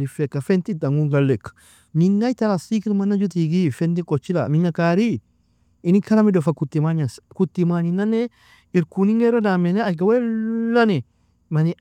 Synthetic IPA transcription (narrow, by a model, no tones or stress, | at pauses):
lifɛkːafɛnt̪id̪aŋɡuŋɡɐlːɛkː | miŋːajt̪ɐɾasikitmanːad͡ʒut̪̬iɡifɛnt̪̬ikʼɔt͡ʃːila̰minːakaːɾi | inikɐɾamidɔfakut̪ːimaɲaskut̪ːimaɲinanɛ | iɾkuniŋeɾɐdameneaɡawɛlɐni | mɐni